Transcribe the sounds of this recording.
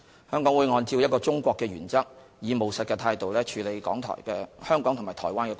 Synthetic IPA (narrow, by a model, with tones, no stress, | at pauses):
hœː˥ŋkɔ˨˥ŋwu˨˧jŋɔː˧nt͡siː˧wjɐ˥kɔː˧t͡ʃʊ˥ŋkʷɔː˧kːɛː˧ɥyː˨˩nt͡sɐ˥k̚ | jiː˨˧mo˨wsɐ˨t̚kɛ˧t̪ʰaː˧jt̪o˨wlɛː˥t͡ʃʰyː˨˧le˨˧jkɔ̰ː˨˥ŋt̪ʰɔ̰ː˨˩jkɛː˧hœː˥ŋkɔː˨˥ŋt̪ʰʊ˨ŋmaː˨˩t̪ʰɔː˨˩jwaː˥nkɛː˧